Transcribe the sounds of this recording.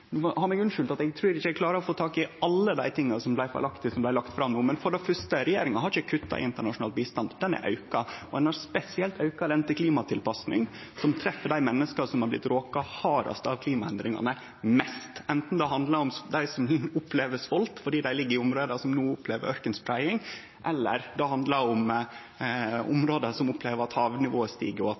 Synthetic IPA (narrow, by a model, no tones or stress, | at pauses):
nːɔhɑɾmɛɡʉnʂʉːlt̪ɑt̪ɛɡ̚t̪ʰɾʉːɾɪçːəɛklɑːɾəɾɔfoːt̪ʰɑːkɪɑlːəd̪æ̰ɪt̪ʰɪŋːɑsɔmblæɪfɔ̰lɑkt̪ɪsɔmblæɪlɑkt̪fɾɑmnuːmɛnfɔɖɛfœʂt̪əɾɛjeːɾɪŋɑhɑɾɪçəkʰʉt̪ːɑ̰ʔɪ̰ɪnt̪əɳɑʂʊnɑːlt̪̚biːst̪ɑnd̪d̪ɛnæ̰ʔɑ̰ʉkɑɔd̪ɛnɑɾspɛsɪɛlt̪ʰɑʉkɑlɛnt̪əkʰliːmɑt̪ʰɪlpɑsnɪ̰ŋ | sɔmt̪ʰɾɛfːəɖæɪmɛnːəskɑsɔmhɑblɪ̰t̪ɾoːkɑhɑːɾɑ̰st̪ɑʋkʰliːmɑɛnd̪ɾɪŋɑ̰nə | mɛst̪ɛnt̪n̩d̪ɛɦɑnd̪lɑɾɔmd̪æɪsɔmʊpleːʋəsʋɔlt̪fɔɖiːd̪æɪlɪɡːəɾɪʊmɾoːd̪ɑsɔmnuːʊpʰleːʋə̰ɾʔœɾkənspʰɾæɪɪŋ | ʔɛlːə̰ɾd̪ɛhɑnd̪lɑɾʊm | ʊ̰mɾoːd̪əsɔmʊpʰːleːʋəɾɑt̪hɑːʋnɪʋoːəst̪ḭːɡəɾɔɑt̪